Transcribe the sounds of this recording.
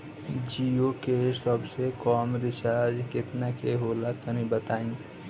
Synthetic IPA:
d͡ʒiokesəbsekɔːmɾɪʃad͡ʒkɪt̪nakeɦolat̪ənibət̪aːĩ

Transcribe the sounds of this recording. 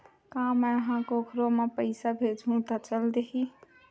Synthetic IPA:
kãːmɛɦãkokʰɾomepəɪsabʱed͡ʒɦũt̪ət͡ʃəld̪eɦi

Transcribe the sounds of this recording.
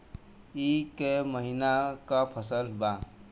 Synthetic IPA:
ikeməɦinakapʰəsəlba

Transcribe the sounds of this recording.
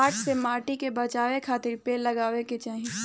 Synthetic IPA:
aːʈʰsemaːʈikebɐt͡ʃaːwekʰaːt̪ɪɾpeːlːɐɡaːʋeket͡ʃaːɦĩ

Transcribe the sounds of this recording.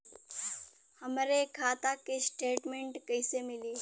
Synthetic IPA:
həmɾekʰaːt̪akesʈeːʈmeɳʈkəjsemiliː

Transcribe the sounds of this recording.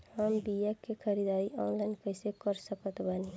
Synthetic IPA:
həmbijakːekʰəɾid̪aiʔɔnlaɪnkəsekəɾsəkət̪bani

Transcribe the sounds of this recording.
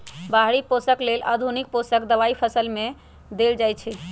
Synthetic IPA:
baɦɾiposəklelʔa̰d̪ʱunik̚posəkd̪əβaipʰəsəlme | d̪eld͡ʒajt͡ʃʰɛ

